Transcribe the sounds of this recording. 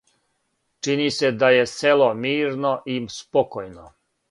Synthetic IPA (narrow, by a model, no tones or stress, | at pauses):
t͡ʃinise̞d̪aje̞se̞lomiːɾno̞ʔispokojno